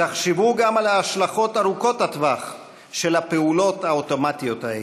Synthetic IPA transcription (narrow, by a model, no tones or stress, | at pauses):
aχʃevuɡamalaːʃlaχo̞taʁuko̞tat̪vaχ | ʃe̞lapeulo̞thaoto̞matijo̞tae